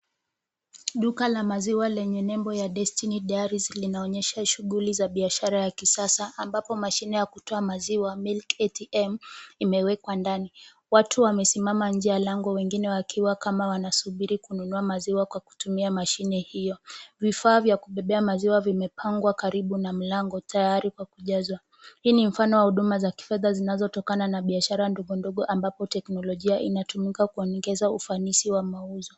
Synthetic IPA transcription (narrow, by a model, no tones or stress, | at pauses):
ɗukalamaziwalɛɲɛnɛmbɔjaɗɛstiniɗaaɾizlinaɔɲɛʃaʃuɠulizaɓiaʃaɾajakisasaːmbapɔmaʃinɛjakutɔamaziwamilkɛtiʔɛmimɛwɛkwandani | watʰuwamɛsimamand͡ʒialaŋɡɔwɛŋɡinɛwakʰiwakamawanasuɓiɾikununuamaziwakwaku̥tumiamaʃinɛhijɔvifaːvjakuɓɛɓɛamaziwavimɛpʰaŋɡwakaɾiɓunam̩laŋɡɔtʰajaɾikwakuʄazwa | hiːnim̩fanɔwahuɗumazaki̥fɛðazinazɔtɔkananaɓiaʃaɾandɔɠɔndɔɠɔʔambapɔtɛknɔlɔʄiaʔinatumikakuɔnɛɡɛzaufanisiwamauzɔ